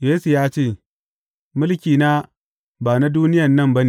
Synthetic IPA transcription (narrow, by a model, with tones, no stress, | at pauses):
jeː˦su˨jaː˦t͡ʃeː˦˨ | mʊ˦lkʲiː˨na˦ | baː˨na˦du˦nɪ˦jɐ˨nːɐ˦˨mbɐ˦ni˨